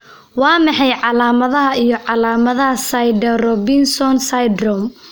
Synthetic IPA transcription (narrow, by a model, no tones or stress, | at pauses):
wɑːmɑħɑjʕɑlaːmɐðɐɦɐʔijɞʕɑlaːmɐðɐɦɐsɐjɖɐrɔbɪnsɔnsajd̪rɔm